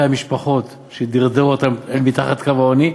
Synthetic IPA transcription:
amiʃpaχo̞t̪ | ʃed̪iʁd̪euot̪amelmit̪aχat̪kavaoni

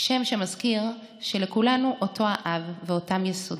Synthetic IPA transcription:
ʃe̞mʃemazkiʁ | ʃe̞lekulanuʔotʰo̞aʔavːeotamjesod

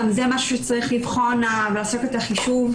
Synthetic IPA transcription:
mzemaʃu̥ʃet͡saʁiχlivχonavlaːso̞ketaχiʃuv

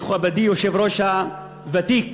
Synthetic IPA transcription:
χuabad̪ijoʃevɾoʃa | vat̪ik

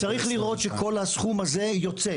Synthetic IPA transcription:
t͡saʁiχliʁo̞tʃe̞ko̞lhasχumaze̞jo̞t͡se̞

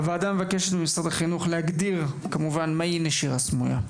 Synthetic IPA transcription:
vead̪amːevakeʃet̪bemisʁad̪aχinuχlehaɡd̪iʁ | kamuvanmajineʃiʁasmuja̰

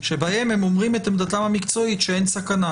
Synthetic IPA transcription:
ʃebahemhemomʁimet̪amd̪atamhamikt͡so̞it̪ʃeejnsakana

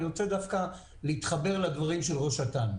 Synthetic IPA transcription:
ʁot͡sed̪afka | leit̪χabe̞ʁlad̪vaʁimʃelʁo̞ʃat̪an

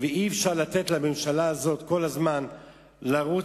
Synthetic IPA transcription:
veiɛfʃaʁlat̪e̞t̪lamemʃalaːzo̞t̪ko̞lazman | laʁu

